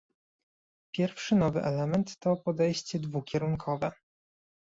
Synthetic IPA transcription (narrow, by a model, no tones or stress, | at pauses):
pʲjɛɾfʂɘnɔvɘʔɛlɛmɛnt̪ːɔpɔd̪ɛjɕt͡ɕɛd̪vukʲɛɾuŋkʰɔvɛ